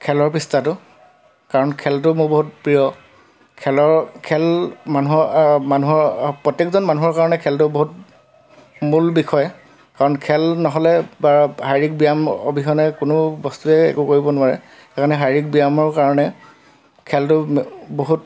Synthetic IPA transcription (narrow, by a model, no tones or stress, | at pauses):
kʰɛlɔɹpistatʊ | kaɹɔnkʰɛltʊmʊboɦut̚pɹijɔ | kʰɛlɔɹkʰɛlmanuɦɔmanuɦɔɹpɹɔtjekzɔnmanuɦɔɹkaɹɔnɛkʰɛltʊboɦut | mulbikʰɔj | kaɹɔnkʰɛlnɔɦɔlɛbaɹɦajɹik̚bijamo̰bʱixɔnɛkʊnʊbɔstuɛɛ̰kʊkoɹibɔnʊwaɹɛ | ɛkanɛɦajɹik̚bijamɔɹkaɹɔnɛ | kʰɛltʊboɦut̚